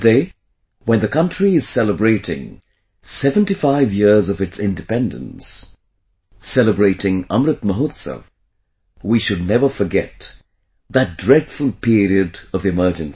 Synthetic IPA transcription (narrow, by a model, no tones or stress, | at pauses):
deɪ | wə̃nðɨkʰʌ̃ntɹ̥iɨz̥sɛləbɹeɪɾɪ̃ŋ | sɛvə̃ntifaɪvjɪɹzʌvɨtsɪ̃ndɨpɛ̃ndə̰̃ns | ɛlˠəbɹeɪɾɪ̃ŋʌ̃mɾɨt̪məɦotsə̰v | wiʃɨdⁿnɛvə˞fə˞ɡɛt̪̚ | ðɨt̚dɹɛd̥fʊlˠpʰɪɹiɨdʌvɨmɜ˞d͡ʒɨ̃ns